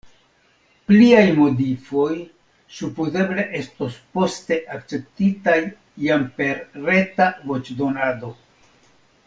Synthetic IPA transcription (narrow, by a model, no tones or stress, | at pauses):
pliajmo̞difo̞j | supuze̞ble̞ʔe̞sto̞spo̞ste̞ʔakt͡se̞p̚titajː | ampe̞ɾɾe̞tavo̞t͡ʃdo̞nado̞